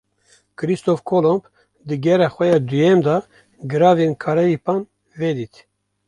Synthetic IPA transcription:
kɨɾist̪ofkʰolomb | d̪ɨɡɛɾɛxʷɛjɑːd̪ujɛmd̪ɑ | ɡɨɾɑːvenkʰɑːɾɛjipɑːn | ved̪iːt̪

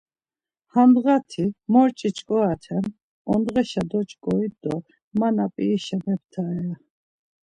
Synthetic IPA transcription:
hand̪ʁat̪ʰimɔɾt͡ʃʼit͡ʃʼkʼɔat̪ʰɛm | ɔnd̪ʁɛʃad̪ɔt͡ʃʼkʼɔid̪ɔ | manapʼiːʃɛmɛp̚t̪ʰaɛa

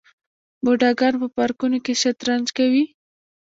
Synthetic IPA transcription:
boɖaɡaɾpəpɑɾkunokeʃat̪ɾand͡ʒkawi

